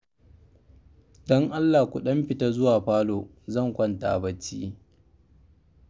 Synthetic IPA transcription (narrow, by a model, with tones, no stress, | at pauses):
dɔ˦ŋʔa˦lːaː˨kʷu˨ɗɐ˦mɸɪ˨ta˦zʊ˦waː˨ɸaː˦loː˨ | zɐ˦˨ŋkʷɐ˦nta̰˨ʔbɐ˦t͡ʃːḭː˦